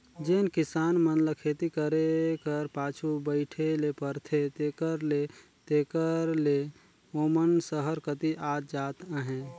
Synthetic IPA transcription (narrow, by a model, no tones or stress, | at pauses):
d͡ʒeːnkɪsaːnmənləkʰeːt̪ikəɾekəɾpaːt͡ʃʰubəɪʈʰelepəɾt̪ʰet̪eːkəɾle | t̪eːkəɾle | oːmənsəɦəɾkət̪iʔaːt̪̚d͡ʒaːt̪əɦẽ